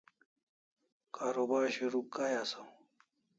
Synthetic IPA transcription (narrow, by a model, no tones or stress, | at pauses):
kaːɾobaːɾɕuɾukːajasaw